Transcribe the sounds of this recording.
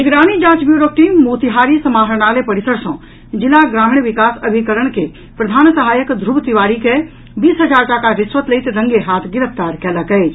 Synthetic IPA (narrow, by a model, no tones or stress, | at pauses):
nɪɡɾaːñid͡ʒãːt͡ʃbjuːɾoːk̚ʈimmoːt̪iɦaːɾisɐmaːɦəɾɳaːlepɐɾɪsəɾsɔ̃ | d͡ʒɪlaɡɾaːmɪɳʋɪkaːsɐbʱikəɾəɽ̃ke | pɾɐd̪ʱaːnsɐɦaːjəkd̪ʱɾubt̪iʋaːɾike | biːsɦɐd͡ʒaːɾʈakaʋɪsʋət̪lɐit̪ɾɐ̃ŋɡeɦaːt̪ʰɡɪɾəpt̪aːɾkɛːlakɐe